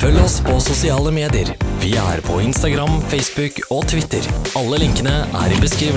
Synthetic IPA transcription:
fœlːɔspʰɔsʊsɪɑːləmeːd̪ɪəɾʋɪæ̰ɾpʰɔɪnst̪ɑɡɾɑmfɛɪsbʉkoːt̪ʰʋɪt̪ːəɾɑlːəlɪŋkənəʔæ̰ɾɪbəskɾiːʋ

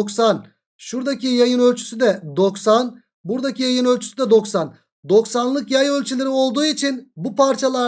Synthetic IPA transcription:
ksan | ʃuɾd̪acijajɯnø̞lʲt͡ʃʰy̥syd̪ɛd̪o̞ksan | buɾd̪acʰijajɯnø̞lʲt͡ʃʰy̥syd̪ɛd̪o̞ksan | d̪o̞ksanlˠɯkjajø̞lʲt͡ʃʰylʲeɾio̞lˠd̪uːit͡ʃʰinbupʰaɾt͡ʃʰalˠa

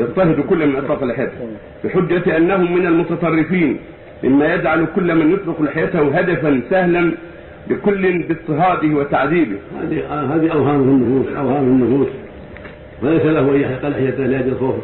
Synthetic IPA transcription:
jɑt̪t̪ːɑhɪd̪kʊlːamɪnʔɑsˤɾɑːqɪlʔɪħjaːt̪h | fiħʊd͡ʒːat̪ʔanːahʊmːɪnalmʊt̪ɑt̪ˤɑrˤːɪfiːn | mʔɪ̰mːajad͡ʒʕalkʊlːamanjʊt̪ˤɾɪqlɪħjat̪ahʊɦad̪afansahlan | bɪkʊlːɪnbɪt̪ˤːɨɦɑːd̪ɪhwat̪aʕðiːbɪhha̰ːðihaːðiʔawɦaːmlɪnːʊfuːsʔawhaːmlɪnːʊfuːs | walajsalahʔajːaħqalħɪjat̪alaːd̪lxoːf

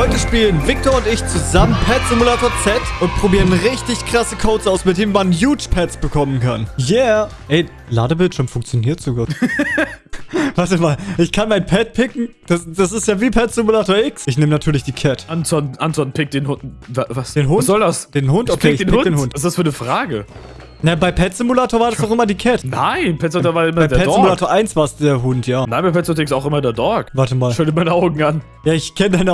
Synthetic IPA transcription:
hɔʏtəʃpiːlənvɪk̚toɐʊntɪçt͡suzamənpʰɛtz̥ɪmulaːtoːɐt͡sɛtʔʊnt̚pʁ̥obiːʁənʁɪçtɪçkʁ̥asəkʰoʊtsʔaʊsmɪt̚d̥eːnənmanjuːt͡ʃpʰɛtsb̥əkʰɔmənkʰanjaː | ʔɛɪ | la̰ːdəbɪltʃyəɐmfʊŋkt͡sjoniːɐtz̥oɡuːt | vaɐsɛmaːlʔɪçkʰanmaɪnpʰɛt̚pʰɪkŋ̩d̥asd̥asɪstjaːviːpʰɛtsɪmulaːtoːɐɪksɪçneːmənatʰyːɐlɪçd̥iːkʰɛtʔantɔtʔantv̥ɔn̩pʰɪk̚d̥eːnhʊntvavasd̥eːnɦʊntzɔldasd̥eːnhʊntʔokʰeːɪçdeːnʊn̥eːnhʊntv̥as̬d̥asfyːɐnəfʁ̥aːɡə | nabaɪpʰɛtt͡sɪmulaːtoːɐvaːɐdasaʊxʔɪmɐdiːkʰɛtna̰ɪnpʰɛtsʊtoɐvaːɪmɐbaɪːɐɛɔzɪmmulaːtoːɐʔaɪnsv̥aːɐsd̥eːɐɦʊntʰjaːnaɪnbaɪpɛtsʊtːɪksaʊxʔɪmɐdeːɐdɔɐkvaɐtəmaːlʃɔltəmaɪnəʔaʊɡŋ̩an | jaːɪçkʰɛnədaɪnə

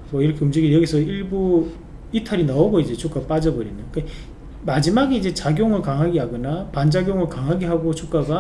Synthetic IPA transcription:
mʌiɾʌkʰeumd͡ʑiɡijʌɡisʰʌiɭbu | itʰaɾinaoɡoid͡ʑe̞t͡ɕʰok͈ap͈ad͡ʑʌbʌɾinɯk͈a | mad͡ʑimaɡeid͡ʑe̞t͡ɕaɡjoŋɯɭkaŋɦaɡeɦaɡʌnapand͡ʑaɡjoŋɯɭkaŋɦaɡeɦaɡot͡ɕʰuk͈aɡa

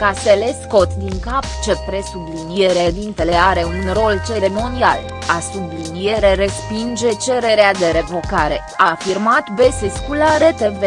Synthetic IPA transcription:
kast̪e̞lesko̞t̪d̪iŋkapt͡ʃe̞pɾe̞sublinieɾed̪int̪eleaɾe̞unro̞lt͡ʃe̞ɾimo̞nia̰l | asublinie̞ɾeɾespind͡ʒe̞t͡ʃe̞ɾe̞ɾead̪e̞ɾe̞vo̞kaɾe̞ | afirmat̪beseskulaɾet̪eve

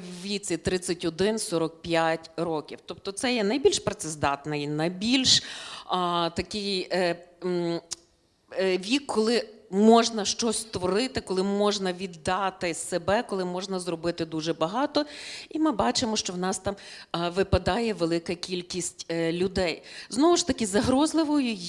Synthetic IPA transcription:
ʋʲit͡sʲit̪ɾɪt͡sʲɐtʲɔd̪ɪnsɔɾɔk̚pʲjatʲɾɔkʲiwt̪ɔp̚t̪ɔt̪sɛjɛnɐjbʲilʲʃpɾɐt̪sɪzd̪ɑt̪nɪjnɐjbʲilʲʃ | t̪ɐkɪj | ʋʲikʰːɔlˠɪmɔʒnɐʃt͡ʃɔsʲst̪ʋɔɾɪt̪ɪkɔlˠɪmɔʒnɐʋʲid̪ːɑt̪ɪsebɛkɔlˠɪmɔʒnɐzɾɔbɪt̪ɪd̪uʒɛbɐɦɑt̪ɔimɪbɑt͡ʃɪmɔʃt͡ʃɔwnɑst̪ɑmʋɪpɐd̪ɑjɛʋelˠɪkɐkʲilʲkʲisʲtʲlʲʊd̪ɛjznɔʋʊʃt̪ɐkʲɪzɐɦɾɔzlˠɪʋɔjʊ

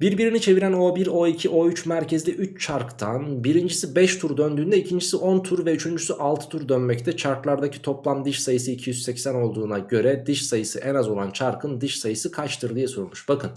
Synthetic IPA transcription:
biɾbiɾinit͡ʃʰe̞viɾæno̞biɾo̞icʰiʔo̞yt͡ʃmæɾcʰezlʲiʔyt͡ʃt͡ʃʰaɾkt̪ʰanbiɾind͡ʒisibɛʃt̪ʰuɾd̪ø̞nd̪yːnd̪ɛicʰind͡ʒisiʔo̞nt̪ʰuɾvɛyt͡ʃʰynd͡ʒysyʔalˠt̪ʰɯ̥t̪ʰuɾd̪ønmɛct̪ʰɛt͡ʃʰaɾklˠaɾd̪acʰi̥t̪ʰo̞plˠamd̪ɯʃsajɯsɯicʰijyzssɛcsæno̞lˠd̪uːnaɟø̞ɾɛd̪ɯʃsajɯsɯ̰ʔɛnazo̞lˠant͡ʃʰaɾkʰɯnd̪ɯʃsajɯsɯkʰat͡ʃt̪ʰɯɾd̪ˠɯjasuɾˠmuʃb̥akʰɯn

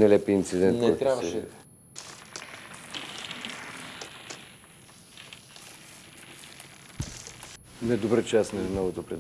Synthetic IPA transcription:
nɛlɛpiːnt̪sid̪ɛnnɛt̪ɾʲavʃɛ | nɛd̪obɾət͡ʃasnɛnɔvot̪opɾɛ

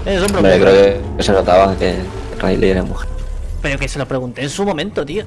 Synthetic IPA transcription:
esoɾmɾeokɾeokekeseɾɾat̪aβaeke | ra̰ilʔḛeemuxepeɾokeselopɾe̞ɣunt̪eːnsumomẽnt̪ot̪io

